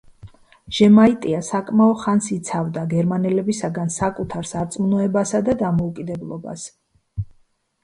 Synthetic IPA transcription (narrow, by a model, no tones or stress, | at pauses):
ʒ̥ɛmait̪ʼiasakʼmaɔχansit̪sʰavd̪aɡɛɾmanɛlɛbisaɡansakʼut̪ʰaɾsaɾt̪sʼmnɔɛbasad̪ad̪amɔukʼid̪ɛblˠɔ̰ba̰s